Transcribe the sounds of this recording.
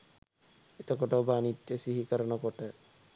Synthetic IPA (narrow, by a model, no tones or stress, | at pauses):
et̪ɔkɔʈabanit̪ːesiɦikaɾɔnɔkɔʈe